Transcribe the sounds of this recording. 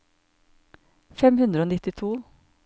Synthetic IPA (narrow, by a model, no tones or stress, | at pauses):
fɛmhʉnd̪ɾəoːnɪt̪ɪt̪ʰuː